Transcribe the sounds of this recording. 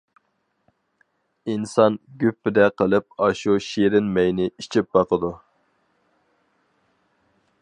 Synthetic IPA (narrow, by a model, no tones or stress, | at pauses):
insɑnɡʲypːɪd̪ɛqəlˠɨp̚ɑʃuʃiɾɪnmɛjnɪit͡ʃʰip̚bɑqəd̪u